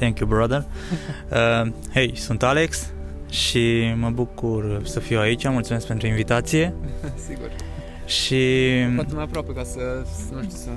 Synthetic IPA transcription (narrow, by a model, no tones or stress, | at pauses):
t̪ɛ̃ŋkjubɾad̪ər | ə | he̞jsunt̪ale̞ks | ʃiməbukursəfiwait͡ʃʲamult̪sumeskpe̞nt̪ɾuinvit̪at̪sije̞siɡṵr | ʃiaemajapɾoapekasənuʃt̪is